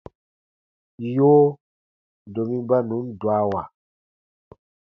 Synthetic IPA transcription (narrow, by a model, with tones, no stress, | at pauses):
joː˦ | do˨mĩ˦ba˦nũ˨˦n̩˦dwa˦wa˨